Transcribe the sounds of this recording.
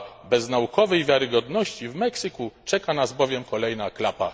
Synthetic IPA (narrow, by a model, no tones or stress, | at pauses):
bɛznaukɔvɛjvʲjaɾɘɡɔd̪nɔɕt͡ɕivmɛksɘkut͡ʂɛkanazbɔvʲjɛmkɔlɛjnaklapa̰